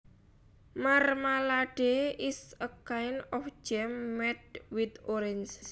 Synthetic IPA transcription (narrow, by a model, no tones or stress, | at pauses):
marmalaɖ̥eɪsəkaɪnɔfd͡ʒɛmːɛt̪̚wid̪oɾɛns